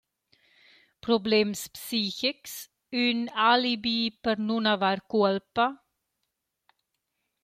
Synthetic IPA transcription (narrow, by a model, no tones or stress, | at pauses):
pɾobleːmspsiːçɪks | ʉnaːlibiːpəɾnunavaɾkuɛlpa